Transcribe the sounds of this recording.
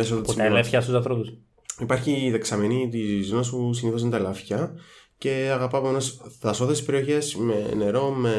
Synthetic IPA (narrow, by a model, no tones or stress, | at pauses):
esot̪op̪szlɐfçɐst̪usɐnθɾopus | ipɐɾçiðeksɐmenit̪izonɐspusiniθoɐnt̪ɐlɐfçɐce̞ɐɣɐpɐɐpoenosθɐso̞θesi̥spe̞ɾio̞çe̞smene̞ɾo̞me̞